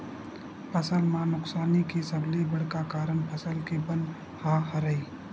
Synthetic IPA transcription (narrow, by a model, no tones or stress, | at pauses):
pʰəsəlmãnʊksaːnikesəblibəɽkakaːɾəɳpʰəsəlkebə̃n | haɦɐɾəiː